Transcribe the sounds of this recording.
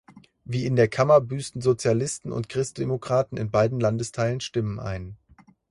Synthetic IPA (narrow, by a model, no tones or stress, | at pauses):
viːɪndeːɐkʰamɐbyːstn̩zot͡sjalɪstn̩ʊ̰ntkʁ̥ɪst̚d̥emokʁ̥aːtn̩ɪ̰nbaɪdn̩landəstʰaɪlənʃtɪməna̰ɪn